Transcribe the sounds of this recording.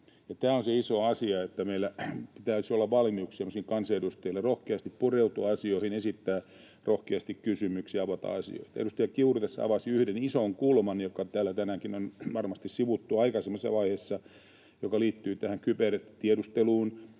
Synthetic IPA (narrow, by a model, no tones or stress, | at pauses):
jɑt̪æːonseisoɑsiɑet̪ːæmeilːæpit̪æysolːɑʋʋɑlmiukssemːosiːŋkɑnsɑedust̪eilːerohkeɑst̪ippureut̪uɑɑsioihinesit̪ːæː | rohkeɑst̪ikkysymyksiɑʋɑt̪ɑ̰ɑsḭo̰it̪ɑḛdust̪ɑjɑkiurut̪esːæ̰ɑ̰ʋɑsiyhdenisoŋkuːlmɑnijokːɑt̪æːlːæt̪ænæːŋkinonʋɑrmɑst̪issiʋut̪ːuɑikɑsemːɑsːɑ̰ʋɑihesːɑ | jokɑliːt̪ːyːt̪æhæŋkyperet̪t̪iedust̪eluːn